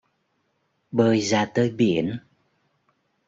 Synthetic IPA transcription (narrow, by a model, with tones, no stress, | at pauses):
ɓəː˨˩jzaː˨˩t̪əː˧˩jɓi˧˩˨ən